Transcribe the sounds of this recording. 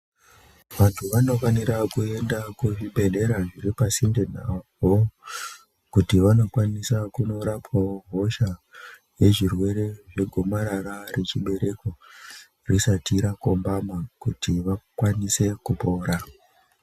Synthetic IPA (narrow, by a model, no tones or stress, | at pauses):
ʋantʰuʋano̞faniɾakue̞ndakuʐibʱe̞ɮe̞ɾaʐiɾipasinden̤a̰vo | kutiʋano̞kwanisakuno̞ɾapwawoɦo̞ʃa | je̞ʐirwe̞ɾe̞ʐe̞ɡʱo̞maɾaɾare̞t͡ʃiɓe̞ɾe̞ko̞ | risatiɾako̞mbamakutiʋakwanise̞kupo̞ːɾa